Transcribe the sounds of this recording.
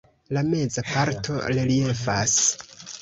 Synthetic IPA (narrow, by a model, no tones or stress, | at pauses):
lame̞d͡zapaɾtʰo̞̰lilie̞fas